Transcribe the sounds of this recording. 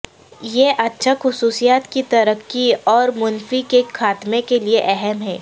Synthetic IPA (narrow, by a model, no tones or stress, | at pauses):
jeʔɐtːʃʰaxʊsuːsijaːt̪kit̪ɐɾəkːiɔːɾmʊnfikekʰaːt̪mekelieʔɛɦɛmɦɛː